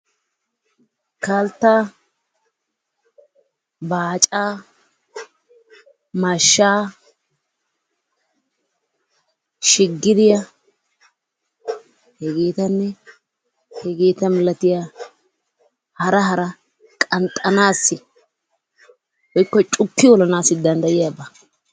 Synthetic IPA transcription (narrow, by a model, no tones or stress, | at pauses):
kaːlt̪ːaː | baːt͡ʃʼaː | maʃːaː | ʃɪɡːɪd̪ɪjɐ | hɛɡeːt̪ɐnːɛ | hɛɡeːt̪ɐmɪlɐt̪ɪja | hɐɾɐɦɐɾɐ | kʼɐnt̪ʼɐnaːsːɪ | hɔjkːɔt͡ʃʼʊkːɪwɔlɐnaːsːɪd̪ɐnd̪ɐjɪjaːbɐ